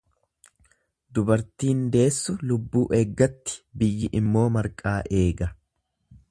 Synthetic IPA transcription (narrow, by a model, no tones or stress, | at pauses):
d̪ʊbɐɾt̪iːnd̪e̞ːsːʊlʊbːuːʔeːɡːɐt̪ːɪ̥bɪjːɪʔɪmːo̞ːmɐɾkʼaːʔe̞ːɡɐ